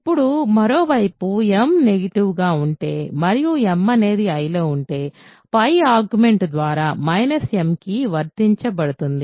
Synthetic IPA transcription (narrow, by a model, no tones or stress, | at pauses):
ipːuɽumɐɾo̞ːʋɐjpuemne̞ɡɐʈiʋɡaːuɳʈe̞ːmɐɾijuemːɐne̞ːd̪iɐjloːuɳʈe̞ː | pɐjaːɾɡume̞ɳʈd̪ʋaːɾaːmɐjnɐsemkiʋɐɾt̪iɲt͡ʃɐbɐɽut̪und̪i